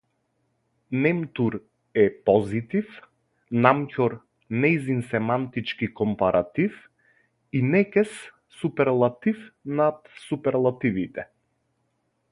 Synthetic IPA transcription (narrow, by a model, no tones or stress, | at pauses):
nɛmt̪uɾ | ɛpɔzit̪if | namcʲɔɾ | nɛjzinsɛmant̪it͡ʃkikɔmpaɾat̪if | inɛkɛs | supɛɾlˠat̪ifnat̪supɛɾlˠat̪ivit̪ɛ